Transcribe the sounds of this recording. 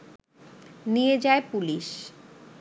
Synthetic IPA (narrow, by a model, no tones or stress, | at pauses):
nijed͡ʑaepuliʃ